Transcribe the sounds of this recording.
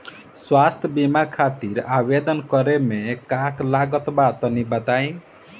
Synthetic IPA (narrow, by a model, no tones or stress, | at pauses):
swast̪ʰjʌbimakʰat̪iɾabed̪ʌnkʌɾemekaklaɡʌt̪bat̪ʌnibʌt̪aj̃